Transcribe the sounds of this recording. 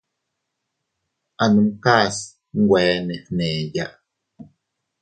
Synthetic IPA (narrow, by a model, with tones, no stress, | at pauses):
a˨nu˨mka˦˨s | ŋ̩˦ɡwɛː˨˦nɛ˨nɛː˨ja˦ʔ